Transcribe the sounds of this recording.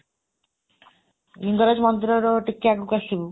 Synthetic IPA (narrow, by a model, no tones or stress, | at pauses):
jiŋɡɔɾad͡ʒɔmɔnt̪ɾɔɾɔʈik̚ʈakukasibu